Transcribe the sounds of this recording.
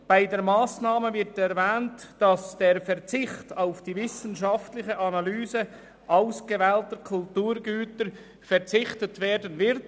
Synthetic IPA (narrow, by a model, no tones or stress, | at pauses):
b̥aɪdeːɾmaːsnaːməvɪʁtɛʁvɛːnt | d̥ɑsd̥eːɾfɛʁt͡sɪxtaʊfd̥iːvɪsən̩ʃɑftlɪçəʔɑnɑlyːzə | ʔaʊsɡ̥əvɛːltəkʰʊltuːɾɡyːtəɾ | fɛʁt͡sɪçtətveːdənvɪɾt